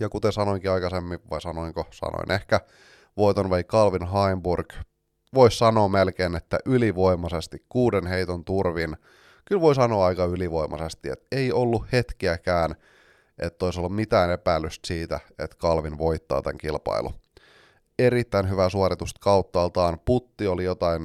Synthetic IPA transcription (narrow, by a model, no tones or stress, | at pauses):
jɑkut̪esɑnoiŋkiɑikɑsemːiʋɑ̰isɑnoiŋkosɑ̰no̰inehkæ | ʋoit̪onʋeikɑlʋinɦɑimburk | ʋoissɑnoːmelkeːnet̪ːæʔyliʋo̞imɑsest̪ikkuːdenɦeit̪ont̪urʋin | kylʋo̞isɑnoːɑikɑyliʋo̞imʔɑ̰sest̪iḛt̪eiolːuhhe̞t̪kiækæːn | ʔet̪ːoisolːummit̪æːnepælːyst̪siːt̪æet̪kɑlʋinʋo̞it̪ːɑ̰ːt̪æ̰ŋkilpɑ̰ilʔṵ | eɾit̪ːæinɦyʋæsuɑɾit̪ust̪kɑut̪ːɑːlt̪ɑːnput̪ːiolijo̞t̪ɑin